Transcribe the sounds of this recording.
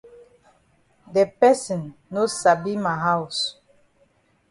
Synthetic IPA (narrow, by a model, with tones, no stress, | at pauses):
dɛ˨pɛ˦sĩ˨nːo˦sa˨bi˦ma˨ɦa˦ws